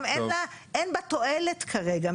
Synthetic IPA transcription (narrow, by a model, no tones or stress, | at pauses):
menlaʔenbat̪o̞elet̪kʰaʁe̞ɡa